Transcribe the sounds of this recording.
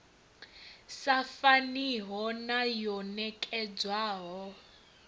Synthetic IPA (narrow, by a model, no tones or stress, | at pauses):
safaniɦɔnajɔnɛkʼɛd͡zwaːɦɔ